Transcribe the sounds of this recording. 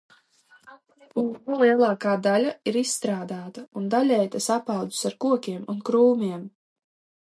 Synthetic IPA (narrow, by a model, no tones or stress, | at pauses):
ukulˠiɛlˠɑːkaːd̪alʲaiɾisːt̪ɾaːd̪aːt̪aund̪alʲɛjt̪asapɑwd̪u̥saɾkuɔkʲiɛmunkɾuːmʲiɛm